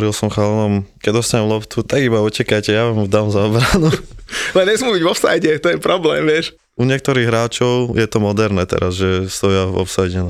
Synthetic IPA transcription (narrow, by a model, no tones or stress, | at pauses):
ɾilˠsɔmxalɛnɔmkɛɟd̪ɔst̪aɲɛmlɔpt̪ut̪aɡibaɔcɛkajcɛjaʋamud̪aːmzaɔbɾanualɛɲɛsmuːbiɟʋɔfsa̰jɟɛt̪ɔjɛpɾɔblɛːmʋɪɛʃ | uɲɪɛk̚t̪ɔɾiːɣɦɾaːt͡ʃɔʊjɛt̪ɔmɔd̪ɛɾnɛt̪ɛ̰ɾazʒɛst̪ɔjavɔ̰psajɟɛn